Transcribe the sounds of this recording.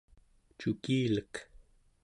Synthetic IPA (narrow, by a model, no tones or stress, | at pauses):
t͡ʃukiːlək